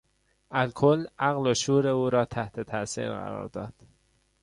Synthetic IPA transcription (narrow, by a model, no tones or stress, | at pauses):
ʔælkʰolæɣloʃuːɾeuːɾɒːt̪ʰæht̪ʰe̞t̪ʰæsḭːɾɣæ̰ɾɒ̰ːɾd̪ɒ̰ːd̪̥